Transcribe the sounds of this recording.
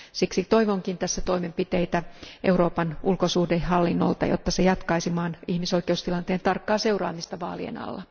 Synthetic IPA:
siksit̪o̞iʋoŋkint̪æsːæt̪o̞imempit̪ejt̪æʔe̞uɾo̞ːpɑnulkosuːdehɦɑlːinːo̰lt̪ɑ̰jo̰t̪ːɑsejɑt̪kɑisimɑːnihmiso̞ike̞ust̪ilɑnt̪eːnt̪ɑrkːɑːse̞urɑ̰ːmist̪ɑʋɑ̰ːlḭḛnɑ̰lːɑ

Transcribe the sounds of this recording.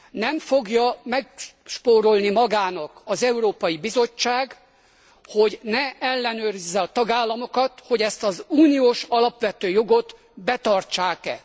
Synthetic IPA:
nɛɱfo̞ɡjɒmɛkʃpoːɾolnimɒɡaːnɒkɒzɛuɾoːpɒjibizo̞t͡ʃːaːɡ | ho̞ɟnɛɛlːɛnøːɾizːɛɒt̪ɒɡaːlːɒmo̞kɒt̪ho̞ɟɛst̪ɒzuːnijoːʃɒlɒpʋɛt̪øːjo̞ɡo̞t̪ | bɛt̪ɒrt͡ʃaːkɛ̰

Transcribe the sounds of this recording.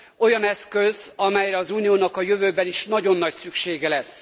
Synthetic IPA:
o̞jɒnɛskøzɒmɛjrɛɒzuːnijoːnɒkɒjøvøːbɛniʃnɒɟo̞nːɒcsykʃeːɡɛlɛs

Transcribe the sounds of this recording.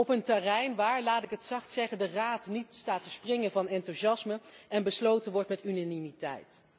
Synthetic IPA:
ɔpəntɛrɛjnʋaːɹlaːtɪkɦətsɑχtsɛχəndəraːtnitstaːtəsprɪŋənvɑnɛntuʃɑsməɛnbəslowtənʋɔɹtmɛtynanimitɛ̰jt

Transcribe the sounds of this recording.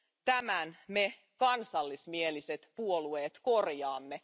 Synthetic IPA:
t̪æmænme̞ | kɑnsɑlːismieliset̪puolue̞ːt̪ko̞rjɑːmːe̞

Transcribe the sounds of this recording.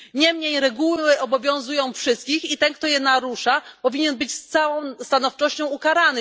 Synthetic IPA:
ɲɛmɲejɾɛɡuwɘʔɔbɔvʲjɔ̃w̃zujɔ̃w̃fʂɘst̪kʲixit̪ɛnk̚t̪ɔjɛnaɾuʂapɔvʲiɲɛnbɘt͡ɕst̪sawɔ̃w̃st̪anɔft͡ʂɔɕt͡ɕɔ̃w̃ukaɾanɘ

